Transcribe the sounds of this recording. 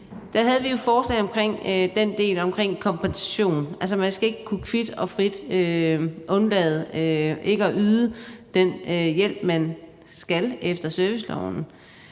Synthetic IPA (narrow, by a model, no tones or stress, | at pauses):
d̥æɦæð̞̩ˠʋijo̝fɒːsɡ̥enɒ̽mkʰʁeŋ̰d̥end̥e̝̰ːlɒ̽mkʰʁeŋ̰kʰɒ̽mpʰensæ̥ɕo̝̰ːnælsɐmænsɡ̥æe̝ɡ̥əkʰukʰʋid̥ɒ̽fʁid̥øʔɔ̽nlɛ̰ːð̞̩ˠøʔe̝ɡ̥əɒʔyːðˠəd̥enøjel̰b̥mæn | sɡ̥ælefd̥ɐsœɐʋislɒ̰ʊn̩